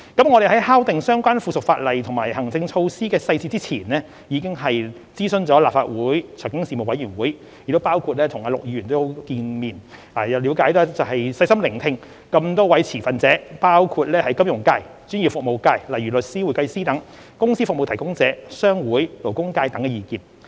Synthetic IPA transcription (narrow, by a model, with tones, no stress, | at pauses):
kɐ˨˥mŋɔː˨˧ɾe˨˩ɦɐ˨˥jhaː˥wt̪ɪ˨ŋsœː˥ŋkʷaː˥nfuː˨˧sʊ˨k̚faː˧t̚lɐ˨jt̪ʰʊ˨˩ŋma̰ː˨˩jhɐ˨˩ŋt͡sɪ˧ŋt͡ʃʰo˧wsiː˥kɛː˧sɐ˧jt͡si˧t͡si˥t͡sʰiː˨˩nɛː˥ | jiː˨˧kɪ˥ŋɦɐ˨j | t͡siː˥sɵ˨˧nt͡sɔː˨˦˥laː˨p̚fa̰ː˧t̚wuː˨˥jt͡sʰœ˨˩ŋkɪ˥ŋsiː˨mo˨˩wɐ˨˥jyː˨˩nwuː˨˥j | j̚t̪o˥paː˥wkʰu˧t̚lɛː˥t̪ʰʊ˨˩ŋaː˨˧lʊ˨k̚ji˨˧ɥyː˨˩nt̪o˥ho˨˧˥kiː˧nmiː˨˩n | aː˨˩jɐ˨li˨˧˥wkaː˨˥jt̪ɔː˥t͡sɐ˨wɦɐ˨jsɐ˧jsɐ˥mlɪ˨˩ŋt̪ʰɪ˧ŋ | kɐ˧mt̪ɔː˥wɐ˨˥jt͡sʰiː˨˩fɐ˨nt͡sɛː˨˥paː˥wkʰuː˧t̚lɛː˥hɐ˨˥jkɐ˥mjʊ˨˩ŋkaː˧j | t͡syː˨˥nji˨˩fʊ˨k̚mo˨wkaː˧jlɐ˨˩jɥyː˨˩lɵ˨t̚siː˥wu˨˥˩kɐ˧jsiː˥t̪ɐ˨˥ŋ | kʊ˥ŋsi˥fʊ˨k̚mo˨wt̪ʰjkʊ˥ŋt͡sɛː˨˥sœː˥ŋwuː˨˥jlo˨˩wkʊ˥ŋkaː˧jt̪ɐ˨˥ŋkɛː˧jiː˨˧kiː˧n